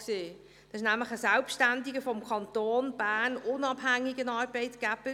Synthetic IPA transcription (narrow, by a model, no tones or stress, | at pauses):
seː | d̥ɑsɪʃnæmləχəsɛlpʃtændɪɡəfɔmkʰɑntoːnb̥æːnʊnɑbhæŋːɪɡənɑːɾbɛɪtɡ̥æb̥ə